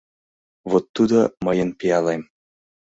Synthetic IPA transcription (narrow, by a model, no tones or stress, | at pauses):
vot̪ːud̪oməjənpʲijɑlˠɑjm